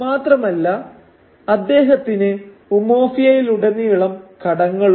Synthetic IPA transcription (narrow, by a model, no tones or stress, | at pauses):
maːt̪rɐmɐlːɐ | ɐd̪ːe̞ːɦɐt̪ːinɨ | umo̞ːfijɐjiluɽenːijuɭɐmkɐɽɐŋːɐɭ